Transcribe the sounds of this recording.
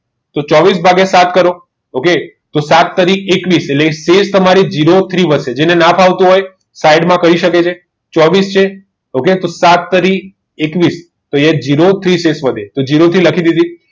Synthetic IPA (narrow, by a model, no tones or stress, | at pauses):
t̪ot͡ʃɔʋisbʱaɡesat̪kəɾo | oke | t̪osat̪ːəɾikekʋisetlekesest̪əmaɾid͡ʒiɾot̪ʰɾiʋəd̪ʃed͡ʒenenapʰaʋt̪ũɦoj | sajɖmãkəɾiʃəket͡ʃʰe | t͡ʃɔʋist͡ʃʰe | oket̪osat̪ːəɾik | ekʋis | t̪oed͡ʒiɾot̪ʰɾisesʋəd̪ʱet̪od͡ʒiɾot̪ʰiləkʰid̪id̪ʱi